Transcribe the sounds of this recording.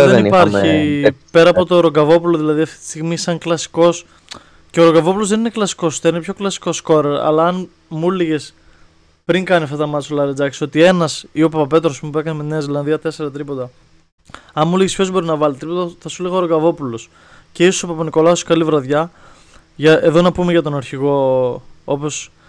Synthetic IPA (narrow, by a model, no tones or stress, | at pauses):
ðeninpɐɾçipe̞ɾɐːpo̞t̪oɾoɡɐvo̞puloðilɐðiɐft̪i̥t̪i̥st̪iɣmisɐŋklɐsi̥ko̞s | ceoɾo̞ŋɡɐvo̞pulo̞zðenineklɐsi̥kost̪ːninepʰço̞klɐsi̥ko̞sko̞ɾeɾɐ̰lɐɐn | muliʝes | pɾiŋkɐnisɐft̪ɐt̪ɐmɐt͡solɐɾed͡zɐksio̞t̪ie̞nɐsio̞pɐpɐpe̞t̪ɾospumpue̞kɐneme̞t̪ineɐizilɐnðiɐt̪ese̞ɾɐt̪ɾipo̞t̪ɐ | ɐnmuleʝispço̞zbo̞ɾinɐvɐlit̪ɾipot̪ɐθɐsuliɣɐoɾoɡɐvo̞pulos | ce̞isosopɐponiko̞lɐoskɐlivɾɐðʝɐ | ʝɐeðo̞nɐpumeʝɐt̪o̞nɐɾçiɣo̞ | o̞po̞s